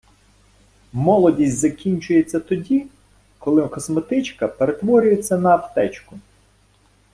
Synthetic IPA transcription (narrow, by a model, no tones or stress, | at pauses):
mɔlˠɔdʲisʲtʲzɐkʲinʲt͡ʃʊjet͡sʲːɐt̪ɔdʲi | kɔlˠɪkɔsmet̪ɪt͡ʃkɐpeɾet̪ʋɔɾʲʊjet͡sʲːɐnɐːpt̪ɛt͡ʃkʊ